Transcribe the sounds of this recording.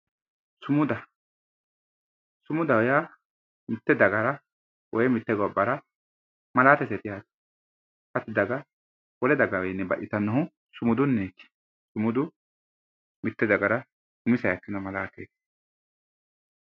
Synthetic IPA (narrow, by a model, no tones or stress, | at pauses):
sʊmʊd̪ɐ | sʊmʊd̪ɐwɔja | mɪt̪ːɛd̪ɐɡɐɾɐ | wʔɔjɛmɪt̪ːɛɡɔbːɐɾɐ | mɐlaːt̪ɛsɛt̪ɪjaːt̪ | hɐt̪ːɪd̪ɐɡɐ | wɔlɛd̪ɐɡɐwɛjnːɛbɐ̰ʔɪt̪ɐnːɐɦʊ | sʊmʊd̪ʊnːekː | sʊmʊd̪ʊ | mɪt̪ːɛd̪ɐɡɐɾɐ | sʊmɪsɐjɐkːɪnɐmɐlaːt̪ḛk